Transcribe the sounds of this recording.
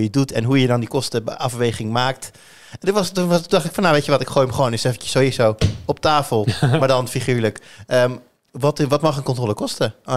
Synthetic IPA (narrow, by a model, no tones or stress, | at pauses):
jədutʰɛnɦujədɑndikɔstəʔɑfʋejχɪŋmaːk̚t | ʋɑstuntudɑχtɪkfɔnːawʋejtəʋɔtɪkχojməχʋoːnɪsefənjə̥sowisowɔp̚taːfəlˠmaːɹdɑnfiχyːɹləkəm | ʋɑtʋɑtmɑχənkɔntroːləkɔstə